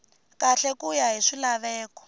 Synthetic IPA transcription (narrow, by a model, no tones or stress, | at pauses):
kaɬɛkujaɦiʂilaβɛːkɔ̥